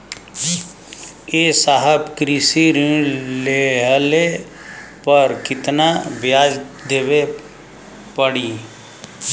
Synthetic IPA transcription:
esaːɦəbkɾisiɾĩleɦəle | pəɾkɪt̪nabjaːd͡ʒ | d̪eːwe | pəɽiː

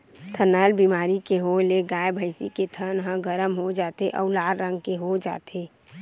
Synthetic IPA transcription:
t̪ʰənəːlbimaːɾikeɦoleɡaːebʱəɪsḭket̪ʰənɦə̃ɡəɾəmɦod͡ʒaːt̪eʔɔ̰ːlaːɾɾə̃ŋɡkeɦod͡ʒa̰ːt̪eː

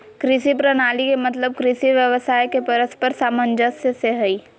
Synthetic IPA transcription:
kɾɪsipɾɐnaːlikemɐt̪ləb̚kɾɪsiʋjəʋəsaːjkepɐɾəspəɾsaːmənd͡ʒəseseɦɐiː

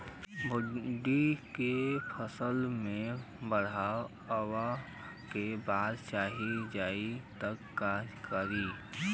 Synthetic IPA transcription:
bʱʊɖːikepʰəsəlmẽ | bəɽ̤a | əwa | kebaːd̪t͡ʃaːɦid͡ʒaːit̪əkːaːd͡ʒkəɾiː

